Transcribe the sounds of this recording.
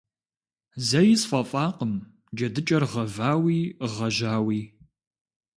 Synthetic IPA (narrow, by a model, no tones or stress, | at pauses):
zɐjɪsfɐfʼaːqəm | d͡ʒɐdɨt͡ʃʼɐrʁɐvaːwiːʁɐʒaːwiː